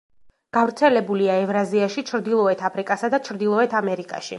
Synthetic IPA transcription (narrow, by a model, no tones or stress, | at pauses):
ɡ̥avɾt̪sʰɛlɛbuliaɛvɾaziaʃit͡ʃʰɾd̪ilˠɔɛt̪ʰapʰɾikʼasad̪at͡ʃʰɾd̪ilˠɔɛt̪ʰamɛɾikʼa̰ʃḭ